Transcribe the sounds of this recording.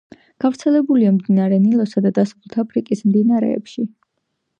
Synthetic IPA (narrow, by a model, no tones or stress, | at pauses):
ɡ̥avɾt̪sʰɛlɛbuliamd̪inaɾɛnilˠɔsad̪ad̪asalut̪ʰapʰɾikʼismd̪inaɾɛ̰ːpʃi